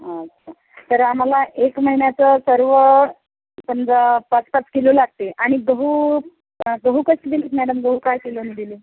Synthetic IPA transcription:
ɦaətːɕʰa | t̪əɾam̤alaʔekməɦinjat͡səsəɾʋə | pənd͡zəpat͡spat͡skilolaɡ̚t̪eʔaɽ̃iɡəɦu | ɡəɦukəɕid̪ilet̪mæɽəmɡəɦukajkilonid̪ile

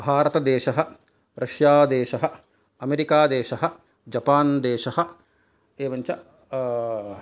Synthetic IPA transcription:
bʱaːɾɐt̪ɐd̪eːʃɐɦɐ̆ | ɾʔɐʃjaːd̪eːʃɐɦɐ̆ | ɐmeɾikaːd̪eːʃɐɦɐ̆ | d͡ʒɐpaːnd̪eːʃɐhɐ̆ | eːʋɐɲt͡ʃɐ

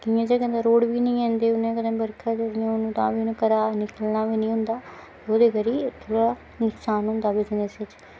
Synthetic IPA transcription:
kijãːd͡ʒekə̃nd̪aɾoːɽbiːnəĩːɛ̃ːnd̪eːʊnãːkəd̪ːbəɾkʰaːkeɾiãʊnũːt̪ã̰ːʋiːnũːkəɾaːnɪkəlnaːʋiːnĩːɦʊ̃nd̪aː | t̪eoːd̪eːkəɾiːt̪ʰoːɽaː | nʊksaːnɦʊ̃nd̪aːbid͡ʒɪnesɪt͡ʃ

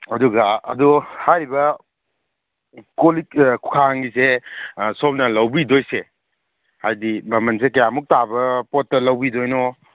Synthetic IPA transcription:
ɐduɡɐɐ̰duhajɾibɐ | kolikkʰu̥kʰaŋɡisesɔp̚nɐlɐwbidojse | hajdimɐmɐnsekɐjamuk̚tabɐpɔtːɐlɐwbidojnɔ

